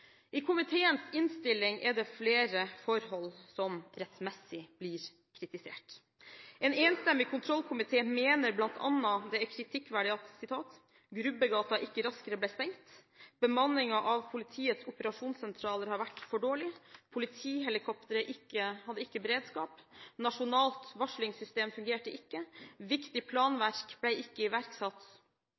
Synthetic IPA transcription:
ʔɪkʰʊmɪt̪ʰeːənsɪnst̪ɪlːɪŋʔɛɖɛfleːɾəfɔɾhɔlːsɔmɾɛt̪mɛsɪblɪɾ | kʰɾɪt̪ɪsḛːʈ | ʔɛːneːnst̪ɛmːɪkʰʊnt̪ʰɾɔlkʰʊmɪt̪ʰeːmeːnəɾblɑnt̪ʰɑ̰nːɑd̪ɛæɾkʰɾɪt̪ʰɪkːʋæɖɪɑt̪sɪt̪ʰɑːt̪ | ɡɾʉbəɡɑːt̪ɑʔɪkːəɾɑskəɾəblɛːst̪ɛŋt̪ | b̥əmɑnːɪŋɑʔɑʋpʰʊlɪt̪ʰiːət̪sʊpəɾɑʂuːnsɛnt̪ʰɾɑːləɾhɑɾʋæʈfɔɖoːɭɪpʰʊlɪt̪ʰiːɦɛlɪkʰɔpt̪əɾəʔɪkːəhɑd̪ːəɪkːəbəɾeːd̪skɑːpnɑʂʊnɑːlt̪ʋɑʂɭɪŋsʏst̪eːmfʉŋɡeːʈəʔɪkːəʋɪkt̪ɪpʰlɑːnʋæɾkb̥læɪɪkːəɪʋæɾksɑt̪ː

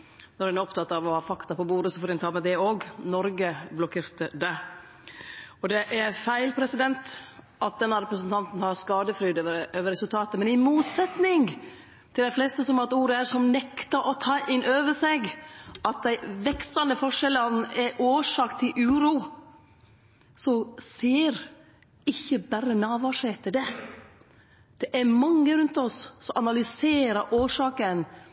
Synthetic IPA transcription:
nɔɾɛnɾɔpt̪ʰɑt̪ːɑʋɔhɑːfɑkt̪ɑpɔbuːɾəsɔfoːɾɪnt̪ʰɑːmɛd̪ɛoːɡnɔɾɡəblɔkʰeːɾt̪əd̪ɛ | ɔd̪ɛʔæɾfæɪlpʰɾɛsɪd̪ɛnt̪ | ʔɑt̪̚d̪ɛnːɑɾɛpɾəsnt̪ʰɑnt̪n̩hɑɾskɑːd̪əfɾyːd̪øːʋəɾɛsʉlt̪ʰɑːt̪əmɛnɪmuːt̪sɛt̪nɪŋ | t̪ʰɪld̪æɪflɛːst̪əsɔmɑɾt̪uːɾəæɾʂɔmnɛkt̪ɑʔɔt̪ʰɑːʔɪnʔøːʋəʂɛɡʔɑt̪̚d̪æɪʋɛkst̪ɑnd̪əfɔʂɛlːənɛʔoːʂɑːkt̪ʰɪlʔʉːɾuː | sɔseːɾ | ɪçːəbæɾənɑːʋɑʂɛt̪ʰɪld̪ɛ | d̪̥ɛʔæmɑŋːəɾʉnt̪ɔsːɔʔɑnɑlʏseːɾəɾʔoːʂɑːkən

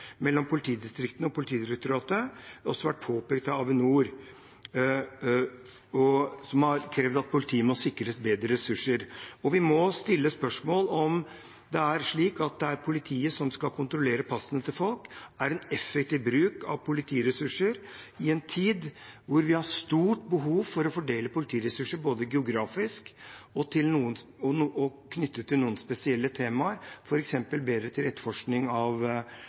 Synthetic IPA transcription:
mɛlːɔmpʰʊlɪt̪ʰiːd̪ɪst̪ɾɪkt̪nəɔpʰʊlɪt̪ʰiːd̪ɪɾɛk̚t̪ʊɾɑːt̪əɔsːɔʋæʈ̚ːpʰoːpɛk̚t̪ɑɑʋənuːɾ | ɔsɔmhɑɾkʰɾɛːʋd̪ɑt̪̚pʰʊlɪt̪ʰiːəmɔsɪkːɾəsbeːd̪ɾəɾɛsʉʂːəɾɔʋɪmɔst̪ɪlːəspœʂmoːlɔm | d̪ɛæɾʂɭiːkɑt̪̚d̪ɛæɾpʰʊlɪt̪ʰiːəsɔmskɑlkʰʊnt̪ɾɔleːɾəpʰɑsənət̪ʰɪlfɔlkæɾɛnɛfːɛkt̪iːʋbɾʉːkɑ̰ʋpʰʊlɪt̪ʰiːɾɛsʉʂəɾɪɛnt̪ʰiːd̪ʋʊɾʋɪhɑɾst̪uːʈbəɦuːʋfɔɾɔfɔɖeːləpʊlɪt̪ʰiːɾɛsʉʂːəboːd̪əɡɛʊɡɾɑːfɪskɔt̪ʰɪlnuːənɔnːɔkʰnʏt̪ʰːət̪ʰɪlnuːənspɛsɪɛlːət̪ʰeːmɑəɾfɔɾɛksɛmpəlbeːd̪ɾət̪ʰɪlɾɛt̪fɔʂknɪŋɑʋ

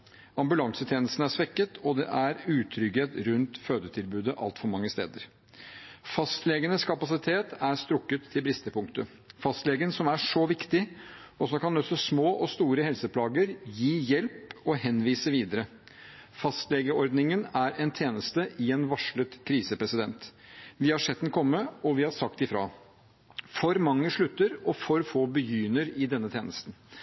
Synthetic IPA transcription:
ɑmbʉlɑŋsət̪ʰjeːnəst̪n̩æʂʋɛkːət̪ʰɔd̪ɛ̰ʔæɾʉːt̪ʰɾʏɡheːt̪ɾʉnt̪føːd̪ət̪ʰɪlbʉːd̪əʔɑ̰lt̪fɔɾmɑŋːəst̪ḛːd̪əɾ | fɑst̪lɛɡənəskʰɑpɑsɪt̪ʰeːt̪æɾst̪ɾʊkːət̪ʰːɪlbɾɪst̪əpʰʊŋkt̪ə | fɑst̪lɛːɡənsɔmæʂɔʋɪkt̪ɪ | ɔsɔmkɑnɔsɔsmoːʔɔst̪uːɾəhɛlsəpʰlɑːɡəɾjiːjɛlpɔhɛnʋiːsəʋiːd̪əɾə | fɑst̪lɛɡəɔɾd̪nɪŋənæɾɛnt̪ʰeːnəst̪əʔɪɛnʋɑʂɭət̪kʰɾiːsəpɾɛsɪd̪ɛnt̪ʋɪhɑʂɛt̪ːən̩kʰɔmːəɔʋɪhɑʂɑkt̪ɪfɾɑ̰ː | fɔɾmɑŋːəʂɭʉt̪ːəɾɔfɔɾfoːbəjyːnəɾɪd̪ɛnːət̪ʰjeːnəst̪n̩

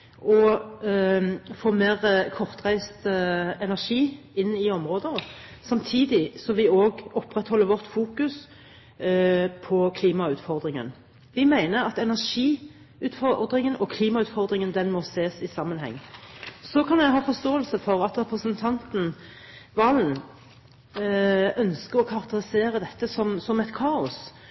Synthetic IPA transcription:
ʔɔ | foːmeːʁkʰɔʁt̪ʁæɪst̪ɛnæʂiː | ɪnːɪɔmʁoːd̪əʁsɑmt̪ʰiːd̪ɪsɔʋɪoːɡɔpːʁɛt̪hɔlːəɾʋɔʁt̪fuːkʉs | pʰɔkʰliːmɑʉːt̪fɔʁd̪ʁɪŋə̰n | ʋɪmæɪnəɾɑt̪ɛnæʁʂiː | ʉːt̪fɔd̪ɾɪŋənʔɔkʰliːmɑʉːt̪fɔʁd̪ɾɪŋənd̪ɛnmɔseːsɪsɑmːənɦɛ̰ŋːsɔkʰɑnjæɪɦɑːfɔʁst̪oːəlsəfɔʁɑt̪ʁɛpʁəsənt̪ʰɑnt̪n̩ | ʋɑːln̩ | œnskəʁɔkʰɑʁk̚t̪əɾɪseːɾəd̪ɛt̪ːəsɔmsɔmɛt̪kʰɑːʊs

